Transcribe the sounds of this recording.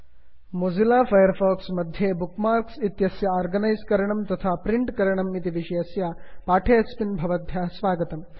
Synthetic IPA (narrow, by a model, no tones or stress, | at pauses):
mod͡zilaːfɐjɐɾfɔːksmɐd̪ʱjebukmaːɾksit̪jɐsjaɔːɾɡɐnɐjzkɐɾɐɳɐmt̪ɐt̪ʰaːpɾiɳʈkɐɾɐɳɐmit̪iʋiʃɐjɐsjapaːʈʰeɐspinbʱɐʋɐd̪ʱjaːsʋaːɡɐt̪ɐm